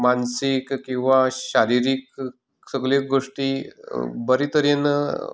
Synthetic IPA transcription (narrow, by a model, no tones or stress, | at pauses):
mansikkːĩw̃ʋaɕaɾiɾik | səɡlek̚ɡoʂʈi | bəɾit̪əɾjən